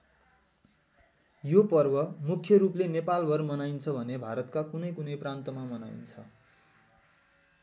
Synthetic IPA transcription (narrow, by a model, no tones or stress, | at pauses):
jopʌrbʌmukʰjʌɾuplenepalbʱʌrmʌnajint͡sʰʌbʱʌnebʱaɾʌt̪kakunʌjkunʌjprant̪ʌmamʌna̰ḭnt͡sʰʌ